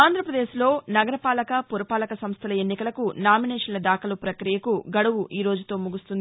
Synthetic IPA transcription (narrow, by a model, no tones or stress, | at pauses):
aːnd̪ʱɾɐpɾɐd̪eːslo̞ːnɐɡɐɾɐpaːlɐkɐpuɾɐpaːlɐkɐsɐmst̪ʰɐlɐe̞nːikɐlɐkunaːminɛːʂɐnlɐd̪aːkɐlupɾɐkɾijɐkuɡɐɽuwuʔʔiːɾo̞ːd͡ʒut̪o̞ːmuɡust̪und̪ii